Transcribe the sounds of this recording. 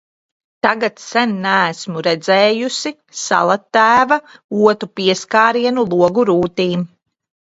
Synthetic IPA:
t̪aɡat̪sɛnnææsmuɾɛd̪zɛːjusi | sa̰lˠat̪ːæːvauɔt̪upiɛskaːɾiɛnulˠuɔɡuɾuːt̪iːm

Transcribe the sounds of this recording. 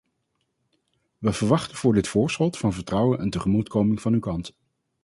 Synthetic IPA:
ʋəvəɹʋɑχtəv̥ʊːɹdɪtfʊːɹsχɔtfɑnvəɹtrʌwənʔɛntəχəmutkowmɪŋvɑnywkɑnt

